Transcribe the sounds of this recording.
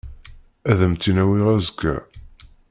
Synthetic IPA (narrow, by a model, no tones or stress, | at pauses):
æðəmt̪ːinæwiʁæzəkːæ̰